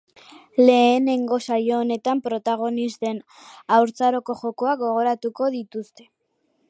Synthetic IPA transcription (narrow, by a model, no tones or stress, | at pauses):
le̞ːne̞ŋɡo̞sajo̞ːne̞t̪ampɾo̞t̪aɣ̞o̞nist̪e̞n | awɾt͡saɾo̞ko̞ʝo̞ko̞aɡo̞ɣ̞o̞ɾat̪uko̞ðit̪ust̪e̞